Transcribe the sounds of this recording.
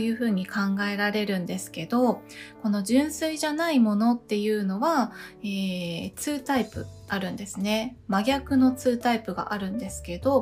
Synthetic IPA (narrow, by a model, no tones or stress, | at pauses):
jɯ̟ːɸɯ̟ːɲ̟ikãŋɡae̞ɾaɾe̞ɾɯ̟̃nd̪e̞sɨ̥ke̞d̪o̞ko̞no̞ʑɨ̃ɰ̃sɨiʑanaimo̞no̞t̪ːe̞jɯ̟ːno̞βaeːt͡sɨːt̪aipɯ̟̰aɾɯ̟̃nd̪e̞sɨne̞maɡʲakɯ̟no̞t͡sɨːt̪aipɯ̟ɡa̰ʔaɾɯ̟̃nd̪e̞sɨ̥ke̞d̪o̞